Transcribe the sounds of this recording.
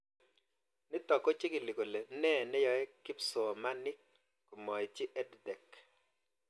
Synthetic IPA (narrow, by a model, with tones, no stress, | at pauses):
nɪ˦t̪ɔ˨kɔ˦t͡ʃɪ˦kɪ˨li˨ko˨le˨nɛ˦˨nɛ˦jɔ˨ɛ˦kɪ˦psɔ˨ma˦nɪ˦k | ko˨mɔ˨ɪ˨t͡ʃɪ˦ʔɛ˦ddɛ˨k